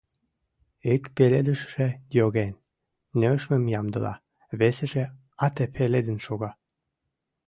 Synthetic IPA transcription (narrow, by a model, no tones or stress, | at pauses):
ekpeled̪əʃʃejoɣen | nøʃməmjɑmd̪əlɑ̰ | βesĕʒe | ɑt̪epʰeled̪ənʃoɣɑ